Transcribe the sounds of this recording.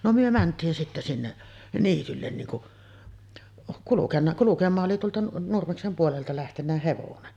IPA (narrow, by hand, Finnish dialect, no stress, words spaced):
no myø mæntˑiːn sitːe sinːeʔ niːtylːen niːn kuʔ kulukenːɑ kulukemˑɑːʔ ʔoli tuoltɑ nurmeksem puoleltɑ læhtenːæ heʋonen